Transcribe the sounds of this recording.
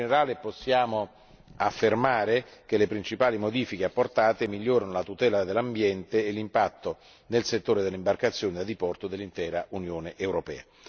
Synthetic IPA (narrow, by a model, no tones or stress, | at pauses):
neɾaːleposːjaːmo | afːermaːɾek̟elepɾint͡ʃipaːlimod̪iːfik̟eapːort̪aːt̪emiʎːoːɾanolat̪ut̪ɛːlad̪elːambjɛnt̪eːlːimpat̪ːo | nelset̪ːoːɾed̪elːeimbarkat̪sːjoːnid̪ad̪ipɔrt̪od̪elːint̪ɛːɾaʔunjoːneʔewɾopɛːa